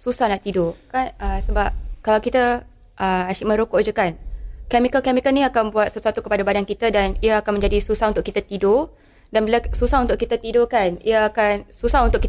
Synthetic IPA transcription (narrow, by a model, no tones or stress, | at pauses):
susahnaʔt̪idokanəsəbap̚kalawkit̪ə | ʔəaʃiʔ̚mə̃ɾokɔʔd͡ʒəkankɛmikəlkɛmikəlniakanbuat̪̚səsuat̪ukəpadabadankit̪ədaniəakanmə̃ɲd͡ʒadisusahunt̪ʊʔkit̪at̪ido | danbilasusahunt̪ʊʔkit̪at̪idokanḭəakansusahunt̪ʊʔkit